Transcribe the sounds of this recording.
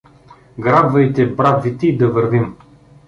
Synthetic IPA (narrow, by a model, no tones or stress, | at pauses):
ɡɾab̪vɐjt̪ɛbɾad̪vit̪ɛid̪ɐvəɾvim